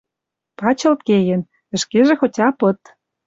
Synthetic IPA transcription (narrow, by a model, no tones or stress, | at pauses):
pɑt͡ɕɤ̆lt̪̚kejɘ̆n | ə̆ʃkeʒĕxotʲɑpɤ̆t̪